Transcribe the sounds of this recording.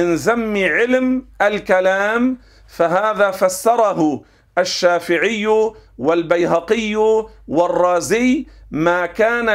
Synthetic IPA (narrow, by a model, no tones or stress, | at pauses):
ɪnzamːɪʕɪlmʔalkalaːm | faɦaːðaːfasːɑɾˤɑɦʊ | ʔaʃːaːfɪʕɪjːwalbajɦɑqɪjːwɑrˤːɑːzɪjmaːkaːna